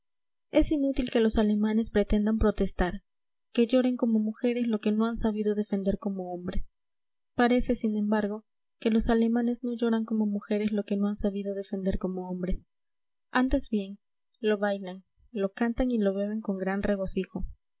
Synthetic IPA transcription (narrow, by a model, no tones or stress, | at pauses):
e̞sinut̪ilke̞lo̞sale̞mane̞spɾe̞t̪e̞nd̪ampɾo̞t̪e̞st̪aɾ | ke̞ʝo̞ɾe̞ŋko̞mo̞muxe̞ɾe̞slo̞ke̞no̞ansaβiðo̞ðe̞fe̞nd̪e̞ɾko̞mo̞ombɾes | paɾe̞se̞sinẽ̞mbaɾɣo̞ | ke̞lo̞sale̞mane̞zno̞ʝo̞ɾaŋko̞mo̞muxe̞ɾeslo̞ke̞no̞ansaβiðo̞ð̞e̞fe̞nd̪e̞ɾko̞mo̞ombɾe̞s | ant̪e̞zbje̞ŋ | lo̞βajlaŋ | lo̞kant̪aŋilo̞βe̞βe̞ŋko̞ŋɡɾanrʔe̞ɣo̞sixo̞